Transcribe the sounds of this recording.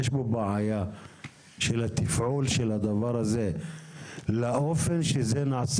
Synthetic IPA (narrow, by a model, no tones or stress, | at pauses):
eʃbobaʕaja | ʃelhat̪ifʕulʃelhad̪avaʁhaze | laʔofe̞nʃezenaʕs